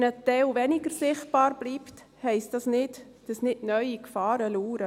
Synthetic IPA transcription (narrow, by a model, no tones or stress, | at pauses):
nətɛwvɛnɪɡəɾsɪχt̚b̥ɑːɾb̥liːpt | hɛɪstdɑsnɪt | d̥ɑsnɪdnœʏikfɑːɾəluːɾə